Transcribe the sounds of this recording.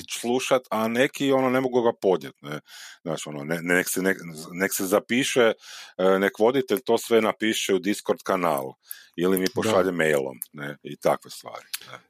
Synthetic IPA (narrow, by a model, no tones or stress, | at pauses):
t͡ʃslˠuʃat̪anekio̞nonemoɡuɡapo̞d̪ɲjet̪nɛzaːt͡ʃio̞noneneksɛneneksezapiːʃenekʋo̞d̪it̪eʎt̪o̞ːsʋenapiːʃeud̪iskoɾd̪kana̰ːlˠ | ilimipoʃʃaʎemejlˠo̰mneit̪a̰kʋest̪ʋa̰ːɾine